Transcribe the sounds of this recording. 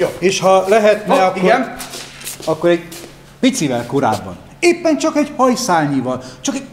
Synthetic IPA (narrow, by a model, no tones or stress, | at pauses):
oeːʃhɒlɛɦɛt̪nɛɒkion | ɒkːo̞ɾɛɟ | pit̪sivɛlkoɾa̰ːbːɒ̰n | eːpːɛnt͡ʃɒkɛɟhɒjsaːlɲivɒlt͡ʃɒkɛ̥